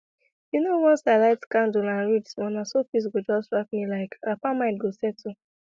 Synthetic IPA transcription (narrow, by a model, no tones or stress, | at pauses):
junowɔ̃nsaɪlaɪtkãndolãnɹit͡ʃsmɔ̃nasofis̬ɡod͡ʒɔsɹak̚milaɪkapamãɪ̃ntɡosɛtʰu